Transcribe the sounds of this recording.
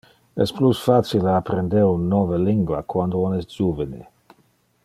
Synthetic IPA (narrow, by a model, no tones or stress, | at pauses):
ɛ̰splusfat͡sileapɾend̪eɾunːoveliŋɡwa̰kwand̪oonɛstd͡ʒuvənḛ